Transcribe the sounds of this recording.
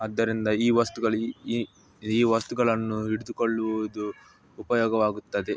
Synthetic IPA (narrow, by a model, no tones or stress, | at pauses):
ɐd̪ːɐɾind̪ɐiːʋɐst̪uɡɐɭu | iːʋɐst̪uɡɐɭɐnːuiɽud̪ukoɭːuid̪uː | pɐjɔːɡɐʋaːɡut̪ːɐd̪e